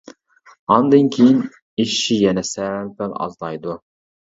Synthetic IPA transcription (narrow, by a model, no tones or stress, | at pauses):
ɑnd̪ɨnkʲʰejin | iʃʃijɛnɛsæmpælɑ̰zlˠɑjd̪u